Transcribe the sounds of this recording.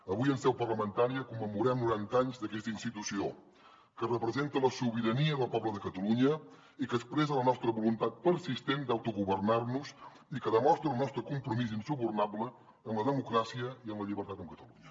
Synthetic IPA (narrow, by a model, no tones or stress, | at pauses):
əβujənsɛwpərləmənt̪aɾiəkumːəmuɾɛmnuɾant̪aɲzðəkɛst̪əinst̪it̪usio | kərəpɾəzent̪ələsuβiɾəniəðəlˠpɔβləðəkət̪əluɲə | ikəspɾɛzələnɔst̪ɾəβulunt̪at̪̚pəɾsist̪end̪awt̪uɣuβərnaɾnuz | ikəðəmɔst̪ɾəlˠnɔst̪ɾəkumpɾumizinsuβurnabləː | nləðəmukɾasiəiənləʎiβəɾt̪at̪əmkət̪əluɲə